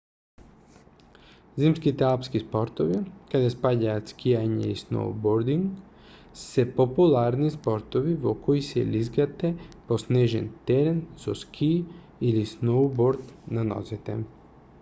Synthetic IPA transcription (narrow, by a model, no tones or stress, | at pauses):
zimskit̪ɛalpskispoɾt̪oʋikad̪aspaɟaːt̪skʰijaɲɛ̰isno̰wboɾd̪iŋɡ | sɛpopulˠaɾnispoɾt̪oʋiʋokoisɛ̰lizɡat̪ɛposneʒɛ̰nt̪ɛɾɛnzoskʰi | ilisnowboɾd̪nano̰zit̪ɛ̰